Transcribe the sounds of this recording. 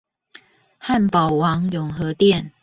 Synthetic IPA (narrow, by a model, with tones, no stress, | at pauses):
ha˥˨npɑ˨˩ʊwɑ˨˦ŋjʊ˨˩ŋxɤ˨˦t̪jɛ˥˨n